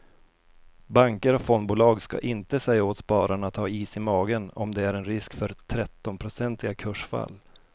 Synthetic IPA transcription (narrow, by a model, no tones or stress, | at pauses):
baŋkəɾɔkfɔnbuːlɑːɡska̰ʔɪnt̪əsɛjːaoːt̪spɑːɾaɳat̪ʰːɑːiːsɪmɑːɡənɔ̰md̪ɛæɾɛnɾɪskfœɾt̪ʰɾɛt̪ːɔnpʰɾʊsɛnt̪ɪɡakʰɵʂfa̰lː